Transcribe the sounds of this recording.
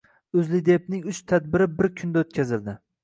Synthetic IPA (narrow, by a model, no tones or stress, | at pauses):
ʊzlɪd̪ep̚nɪŋʊt͡ʃt̪ʰad̪̚bɪɾɪbɪɾkʲʰʊnd̪aot̪̚kʲʰazɪld̪ɪ